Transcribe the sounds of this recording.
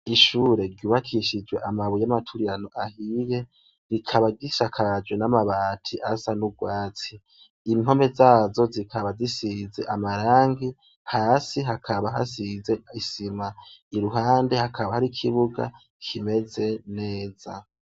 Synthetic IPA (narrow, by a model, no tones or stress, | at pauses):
iʃuːɾe̞ɾɟuːβakʰiʃid͡ʒwe̞ʔamaβujamatʰuɾiɾanoʔahije̞ | ɾikʰaβaɟiʃakʰad͡ʒwe̞namaβaːtʰiʔasanuɡwaːt͡siː | ŋo̞me̞zaːzo̞zikʰaβazisize̞ʔamaɾaːŋɡi | haːsiɦakʰaβaɦa̰size̞isimaiɾuɦaːnde̞hakʰaβahaɾikʰiβuɡa̰ | kʰime̞ze̞ne̞ːza̰